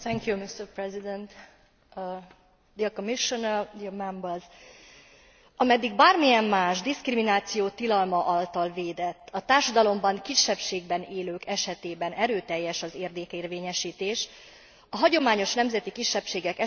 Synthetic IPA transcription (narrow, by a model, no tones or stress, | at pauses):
t̪ɛŋkjumist̪ɛrprɛzid̪ɛnt̪ | d̪iɒkomiʃonɛrd̪imɛmbəz | ɒmɛd̪ːiɡbaːrmijɛmːaːʒd̪iskriminaːt̪sijoːt̪ilɒlmɒʔɒlt̪ɒlveːd̪ɛt̪ːɒt̪aːrʃɒd̪ɒlo̞mbɒŋkiʃːɛpʃeːɡ̚bɛneːløːkɛʃɛt̪eːbɛnʔɛɾøːt̪ɛjːɛʃɒzeːrd̪eːkeːrveːɲɛʃiːt̪eːʃ | ɒɦɒɟo̞maːɲo̞ʃnɛmzɛt̪ikiʃːɛpʃeːɡɛkɛ